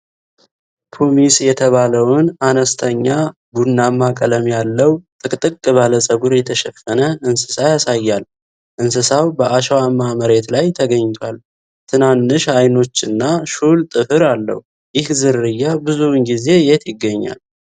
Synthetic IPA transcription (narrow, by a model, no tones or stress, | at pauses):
pʰomisjɛt̪ʰəβaləwnanəst̪ʰəɲːa | bunːamakʼələmjalːəwt̪ʼɨkʼt̪ʼɨkʼːɨβaləsʼəɡuɾjɛt̪ʰəʃɛfːənəɨnsɨ̥sajasajːal | ʔɨnsɨsawbəʔaʃwamːaməɾe̞t̪lajt̪ʰəɡəɲːt̪ʰwal | t̪ʰɨnanːɨʃajno̞t͡ʃːɨnːaʃult̪ʼɨfɨɾalːə̰h | jɪhzɨɾːɨjːabɨzuwnɡize̞jɛt̪jɪɡːəɲːa̰l